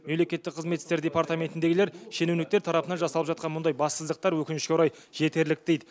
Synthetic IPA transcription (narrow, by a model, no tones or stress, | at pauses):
memle̞kʲe̞t̪ːɪk̚qʰəzmet̪ːɪst̪e̞ɾd̪ʲe̞paɾt̪amʲe̞nt̪ɪnd̪eɡɪle̞ɾʃe̞nuwnɪk̚t̪eɾt̪ʰɑɾɑpənɑnʒɑsɑlˠəpʒɑt̪̚qɑnmʊnd̪ɑjbɑsəzd̪əq̚t̪ɑɾwɵkʲɪnɪʃkʲewɾɑj | ʒ̥e̞t̪e̞ɾlɪk̚d̪e̞jd̪ɪ